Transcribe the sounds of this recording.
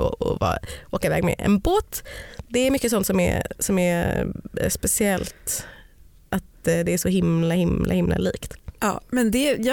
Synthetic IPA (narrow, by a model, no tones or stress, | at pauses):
ɔ̰ɔvɑ̰ːʔoːkavɛːɡmɛ̰ʔɛ̰nboːt̪d̪ɛæɾmʏkːəs̬ɔnt̪sɔmæ̰ɾsɔmæɾ | spɛsɪɛlt̪ | ʔat̪d̪ɛːʂɔɦɪmlahɪmlʔa̰hɪmlʔa̰liːkt̪ɑ̰ːmɛnd̪ɛjɑ